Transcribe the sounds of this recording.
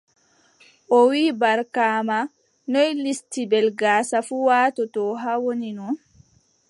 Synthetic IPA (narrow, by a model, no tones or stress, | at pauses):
ʔɔwiːbaɾkaːma | nɔjlistibɛlɡaːsafuwaːtɔtɔɦawoninɔn